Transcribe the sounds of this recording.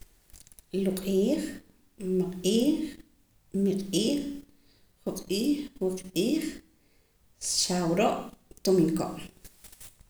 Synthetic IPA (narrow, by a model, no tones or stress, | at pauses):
luqʼiːχ | maqʼiːχ | miqʼiːχ | χuqʼiːχwuqʼiːχ | ʃawɾoʔt̪umiŋko̰ʔ